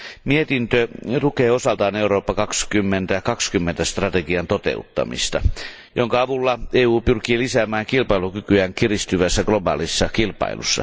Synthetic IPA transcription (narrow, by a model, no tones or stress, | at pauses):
miet̪int̪øt̪ukeːosɑlt̪ɑːneuɾoːpːɑkɑkskymːent̪æjkɑkskymːent̪æst̪rɑt̪eɡiɑnt̪ot̪ḛut̪ːɑ̰mḭst̪ɑ̰ | joŋkɑɑʋulːɑeːuːpyrkiːlisæːmæːŋkilpɑilukykyæŋkirist̪yʋæsːæɡlobɑ̰ːlisːɑkilpɑ̰ḭlʔṵsːɑ̰